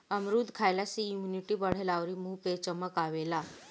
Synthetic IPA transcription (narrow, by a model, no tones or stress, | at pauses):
əmɾud̪ʱkʰajlasijumuniʈibəɽ̤elaʋɾimuːpet͡ɕəməkaʋela